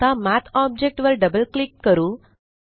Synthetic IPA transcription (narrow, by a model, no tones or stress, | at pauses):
amæt̪ʰɔb̚d͡ʑek̚ʈʋəɾɖəbəlklikːəɾũː